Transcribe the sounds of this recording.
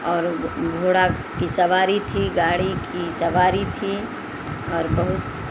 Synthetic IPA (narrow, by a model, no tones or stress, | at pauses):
ɔːɾɡʱoːɽa | kisɐʋaːɾit̪ʰiɡaːɽikisɐʋaːɾit̪ʰi | ɔːɾbɐɦʊt̪